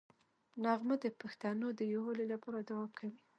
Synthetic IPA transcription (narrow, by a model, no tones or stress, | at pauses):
naɣməd̪əpaxt̪ɑnod̪əjowolelapɑɾad̪awɑmkʰawi